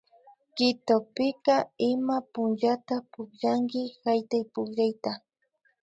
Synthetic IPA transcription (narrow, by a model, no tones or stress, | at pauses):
kɪt̪opɪkaɪmapʊnʒat̪apʊkʎaŋkɪhajt̪ajpʊkʎajt̪a